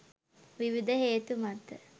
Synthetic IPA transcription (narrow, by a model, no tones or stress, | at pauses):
ʋiʋid̪əɦeːt̪umat̪ːə